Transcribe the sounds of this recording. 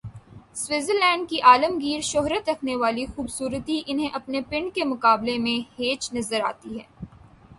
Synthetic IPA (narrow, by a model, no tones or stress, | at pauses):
swɪzəɾlɛ̃ːɳɖ̚kiʔaːləmɡiːɾʃɔɦɾət̪ɾɐkʰneʋaːlixuːbsuːɾət̪iʔɪnɦẽʔɐpnepɪ̃ɳɖkemʊkaːblemẽheːt͡ʃnɐzəɾa̰ːt̪iɦɛː